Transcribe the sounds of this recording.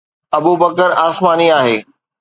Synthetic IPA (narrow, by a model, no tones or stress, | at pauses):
ɐbubəkəɾaːsmaːniaːɦeː